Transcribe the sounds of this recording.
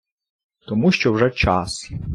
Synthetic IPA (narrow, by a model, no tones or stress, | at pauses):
t̪ɔmuʃt͡ʃɔwʐɛt͡ʃɑ̰s